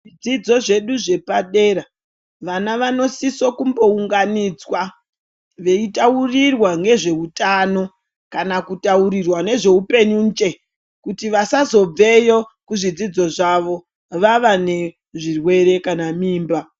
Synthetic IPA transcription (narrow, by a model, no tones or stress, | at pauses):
ʐid͡zid͡zo̞ʐe̞ɗuʐe̞paɗe̞ɾa | ʋanaʋano̞siso̞kumbo̞uŋɡanid͡zwa | ʋe̞itaurirwaŋɡe̞ʐe̞utano̞ | kanakutauɾirwane̞ʐe̞upe̞ɲuːnd͡ʒe̞ | kutiʋasazo̞b͡ve̞jo̞kuʐid͡zid͡zo̞ʐaʋo̞ | ʋaʋane̞ | ʐirwe̞ɾe̞kanamiːmba